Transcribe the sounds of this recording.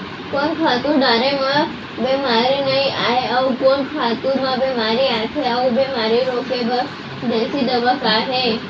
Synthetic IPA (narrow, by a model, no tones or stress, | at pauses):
konkʰat̪uɖaɾemã | bemaɾinəĩaɦeaukonkʰat̪uɾmãbemaɾiak̪ʰeaũbemaɾiɾokebə | d̪esid̪əbəkaɦe